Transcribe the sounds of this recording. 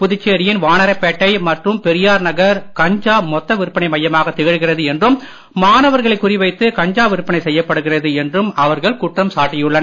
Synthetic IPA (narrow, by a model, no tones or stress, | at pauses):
pʊðɪt͡ʃːeːɾɪjɪnʋaːnɐɾɐpːɛʈːɐɪmɐʈrɯmpɛɾɪjaːɾnɐɣɐɾkɐɲd͡ʒaːmɔt̪ːɐʋɪɾɯpːɐnɐɪmɐjːɐmaːɣɐt̪ːɛɣɪɻɣɪrɐðɯɛndrɯm | maːnɐʋɐɾɣɐɭɐɪkːʊrɪʋɐɪt̪ːɯkɐɲd͡ʒaːʋɪɾɯpːɐnɐɪsɛjːɐpːɐɽɯɣɪrɐðɯɛndrɯmɐʋɐɾɣɐɭkuʈrɐmsaːʈːɪjɯɭːɐn